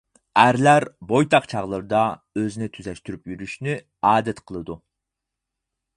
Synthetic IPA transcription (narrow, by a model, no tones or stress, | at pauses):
æɾlæɾbojt̪ʰɑqt͡ʃʰɑʁlˠəɾɨd̪ɑøzɪnɪt̪ʰyzɛʃt̪yɾypjyɾyʃny | ɑːd̪ɛt̪qʰəlˠɨd̪u